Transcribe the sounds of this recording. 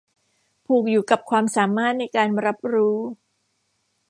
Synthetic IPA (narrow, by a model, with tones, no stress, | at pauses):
pʰuː˨˩k̚juː˨˩ka˨˩p̚kʰwaː˧msaː˩˦maː˥˩t̪̚na˧jkaː˧nɾa˦˥p̚ɾuː˦˥